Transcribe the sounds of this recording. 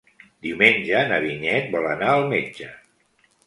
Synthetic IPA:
d̪iumenʲʒənəβiɲɛt̪̚bɔlənaəlˠmed͡ʒə

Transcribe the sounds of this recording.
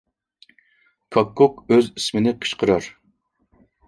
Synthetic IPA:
kʰɑkʰːokøzismɪnɪqʰə̥ʃqʰəɾɑɾ

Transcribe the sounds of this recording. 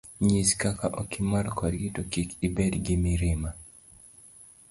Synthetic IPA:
ɲiskakaʔokimarkʰɔdɡitokikibɛdɡɪmiɾɪma

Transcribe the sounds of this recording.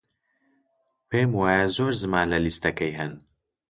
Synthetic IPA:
peːmwaːjɐzoːɾzɨmaːnlɐlist̪ɐkɐjɦɐn

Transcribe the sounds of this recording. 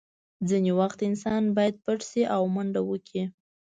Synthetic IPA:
d͡zinewaxt̪ɪnsɑnbɑjad̪̚paʈsiʔawmaɳɖawəkʰi

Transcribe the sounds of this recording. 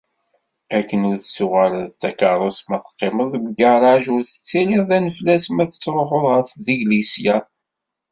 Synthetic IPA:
ækːənʊɾθsuʁælðt͡sːækɑɾˤosmæθə̥qːeməðˤbəɡəʁɾˤɑʒʊɾθə̥t͡sːiliʁðænəflæsmæθət͡sːɾˤoħoðˤʁəɾθðiɡlisjæ

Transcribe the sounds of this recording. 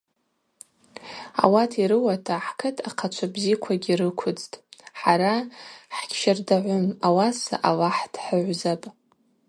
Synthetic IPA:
a̰watʰiɾɨwatʰaħkʰɨtʰaqʰat͡ʃʷʰabzikʷʰaɡʲiɾɨkʷʰʊd͡ztʼħaɾaħkʲʰʃardaʕʷʊmawasa̰ʔalaħdʰħəʕʷzapʼ

